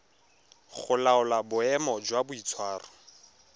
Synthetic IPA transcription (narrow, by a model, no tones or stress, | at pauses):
χʊlaʊlabʊɛmɔd͡ʒwabʊit͡sʰwaːrʊ